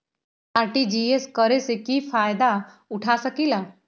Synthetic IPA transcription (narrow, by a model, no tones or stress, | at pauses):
aːɾʈid͡ʒieskəɾesekipʰaːjd̪a | ʊʈʰasəkila